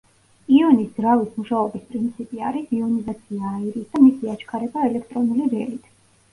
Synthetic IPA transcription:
iɔnisdzɾavismuʃaɔbispʼɾint̪sʰipʼiaɾisiɔnizat̪sʰiaːiɾisd̪amisiat͡ʃʰkʰaɾɛbaɛlɛkʰt̪ʼɾɔnuliɾɛlit̪ʰ

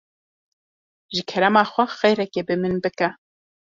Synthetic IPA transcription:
ʒɨkʰɛɾamɑːxʷɛxɛjɾɛkeːbɨmɨnbɨkɛ

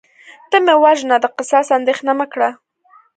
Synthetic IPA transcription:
t̪əmewaʒnad̪əqɪsɑsand̪exnamakɽa

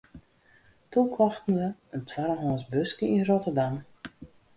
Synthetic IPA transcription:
tukʰɔxtnuəəntʰwaɾəɦɔːnsbøskəinrotərdam

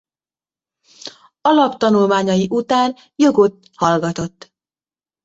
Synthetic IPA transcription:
ɒlɒpt̪ɒnulmaːɲɒjiʔut̪aːn | joɡo̞t̪ | hɒlɡɒt̪o̞t̪ː

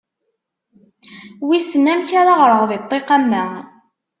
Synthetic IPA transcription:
wisnæmçaɾaʁɾˤəʁðˤet̪ˤːeqamːæ

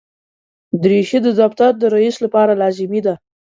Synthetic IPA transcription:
d̪ɾeʃid̪əd̪ɑkt̪aɾd̪əɾaislapɑɾalɑzimid̪a

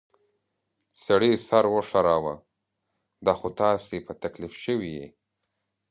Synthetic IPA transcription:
saɽisaɾwoʂaɾawa | d̪ɑxot̪ɑsepat̪aklifʃəwijḛ

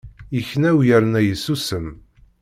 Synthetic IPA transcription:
jəçnæwjəɾnæjəsusəm

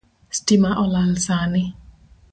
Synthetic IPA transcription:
stimaʔɔlalsanɪ

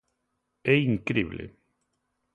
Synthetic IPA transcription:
ɛiŋkɾiβlḛ

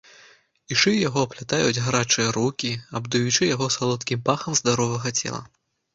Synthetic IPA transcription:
iʂɨjaɣɔplʲat̪ajud͡zʲɣɾat͡ʂɨjɐɾukʲiɐbd̪ujut͡ʂɨjaɣɔsalˠɔt̪kʲimpaxɐmzd̪aɾɔvɐɣɐt͡sʲɛ̰lˠɐ̰

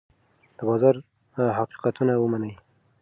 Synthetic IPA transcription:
d̪̥əbɑzɑɾ | ɦaqi̥qat̪unawəmanəj

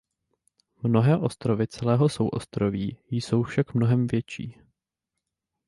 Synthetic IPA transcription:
mno̞ɦɛːʔo̞st̪ɾo̞vɪt͡sɛlɛːɦo̞sowʔo̞̰st̪ɾo̞viːjso̞wfʃakmnoɦɛmvjɛt͡ʃḭː

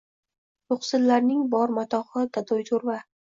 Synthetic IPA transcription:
jʊχsɪlːaɾnɪŋbɒɾmat̪ʰɒχɨd̪̥ad̪ɒjt̪ʰoɾva

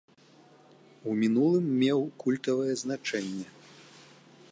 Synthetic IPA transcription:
umʲinulˠɨmːʲɛwkulʲt̪ɐvɐjɛznat͡ʂɛnʲːɛ

